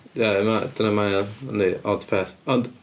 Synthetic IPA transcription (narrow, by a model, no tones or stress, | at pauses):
jaɛmad̥ənəmajaa̰niɔðpʰeːθɔnd